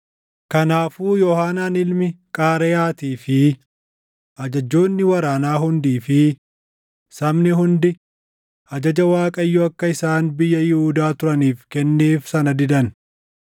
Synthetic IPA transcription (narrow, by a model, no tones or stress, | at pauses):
kɐnaːfuːjɔhaːnaːnɪlmɪkʼaːɾɛjaːt̪iːfɪ | ʔɐd͡ʒɐd͡ʒːo̞ːnːɪwɐɾaːnaːɦʊnd̪iːfɪ | sɐmnɪhʊnd̪ɪ | ɐd͡ʒɐd͡ʒɐwaːkʼɐɪjːɔɐkːɐɪsaːnbɪjːɐjɪhuːd̪aːt̪ʊɾɐniːfkɛnːeːfsɐnɐd̪ɪd̪ɐn